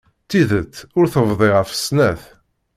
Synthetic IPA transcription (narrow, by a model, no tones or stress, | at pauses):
t̪ːiðət͡s̪ːʊɾθəvðˤiʁəfə̥snæθ